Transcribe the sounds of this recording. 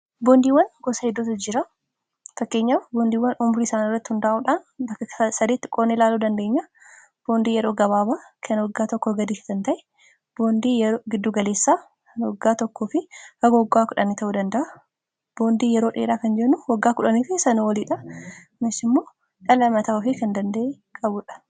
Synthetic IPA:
boːnd̪iːwɐnɡosɐhɛd̪ːuːt̪ɐd͡ʒɪɾɐ | fɐkːe̞ːɲːaːfboːnd̪iːwːɐnʊmɾiɪsaːnɪrːɐt̪ːɪhʊnd̪aʔuːᶑaːnbɐkːɐɐsɐd̪eːt̪ːɪ̥kʼoːnːilaːluːd̪ɐnd̪e̞ːɲːɐ | b̥o̞ːnd̪iːjɛɾo̞ːɡɐβaːbaːkʰɐnwɐɡːaːt̪ɔkːɔɡɐd̪iːʃɪ̥t̪ɐnt̪ɐʔɛ | b̥oːnd̪iːjɛɾoːɡɪd̪ːuːɡɐle̞ːsːaː | kɐnwɔɡːaːt̪ɔkːoːfɪhɐɡɐwɔɡːaːkʊᶑɐnit̪ɐʔud̪ɐnd̪ɐʔɐ | b̥o̞ːnd̪iːjɛɾo̞ːᶑeːɾaːkɐnd͡ʒɛnːʊwɐɡːaːkʊᶑɐniːfɪsɐnɐwɐliːᶑɐ | mɪsɪmːo̞ː | ᶑɐlɐmɐt̪aʊfɪkɐnd̪ɐnd̪ɐʔe | kʼɐbʊᶑɐ̥

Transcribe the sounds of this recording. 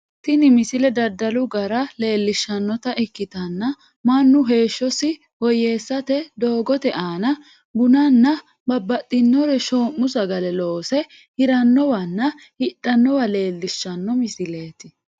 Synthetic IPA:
t̪ɪnɪmɪsɪlɛd̪ɐd̪ːɐlʊɡɐɾɐle̞ːlːɪʃːɐnːɔt̪ɐʔɪkːɪt̪ɐnːɐ | mɐnːʊɦe̞ːʃːɔsɪ | wɔje̞ːsːɐt̪ɛd̪oːɡɔt̪ɛʔaːnɐ | bʊnɐnːɐ | bɐbːɐt̪ʼːɪnːɔɾɛʃoːmːʊsɐɡɐlɛlo̞ːsɛ | hɪɾɐnːɔwɐnːɐ | hɪɗːɐnːɔwɐle̞ːlːɪʃːɐnːɔmɪsɪle̞ːt̪ɪ

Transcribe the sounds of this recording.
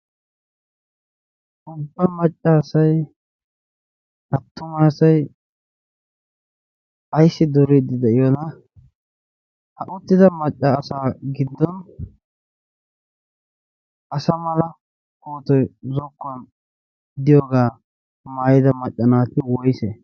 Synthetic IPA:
ʔʊbːɐmɐt͡ʃʼːasɐj | ʔɐt̪ːʊmaːsɐj | ɐjsːɪd̪ɔɾid̪ɪd̪ɛʔɪjɔnɐ | hɐʔʊt̪ːɪd̪ɐmɐt͡ʃʼːɐːsaːɡɪd̪ːɔn | ʔɐsɐmɐlɐ | koːt̪ɔjzɔkːɔn | d̪ɪjoːɡaː | maːjɪd̪ɐmɐt͡ʃʼːɐnaːt̪ɪwɔjse

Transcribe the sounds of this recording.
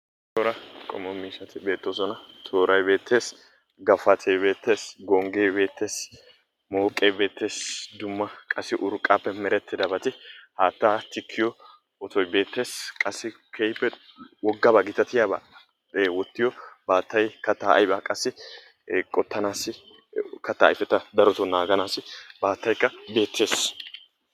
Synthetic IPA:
t̪ɔɾɐkʼɔ̰mːɔmiːʃɐt̪ɪbe̞ːt̪ːoːsɔnɐt̪ʰoːɾɐjbe̞ːt̪ʰːe̞ːs | ɡɐfɐt̪ʰebe̞ːt̪ːe̞ːsɡɔŋɡeːbe̞ːt̪ːe̞ːs | moːkʼːeːbe̞ːt̪ːe̞ːsd̪ʊmːɐkʼɐsːɪʔʊɾkʼːaːpːɛmɛɾɛt̪ːɪd̪ɐbɐt̪ɪhaːt̪ːat̪ɪkʰːɪjɔ | ɔt̪ɔjbe̞ːt̪ːe̞ːskʼɐsːɪ | kʰɛjpːɛwɔɡːɐbaːɡɪt̪ɐt̪ɪjaːba̰ː | wɔt̪ːɪjɔbaːt̪ːɐjkɐt̪ːaːɐ̰jbaːkʼɐsːɪ | kʼɔt̪ːɐnaːsɪ | kɐt̪ːa̰ːjfɛt̪ːɐd̪ɐɾɔt̪ɔnaːɡɐnaːsɪbaːt̪ːɐjkːɐbe̞ːt̪ʰːe̞ːs

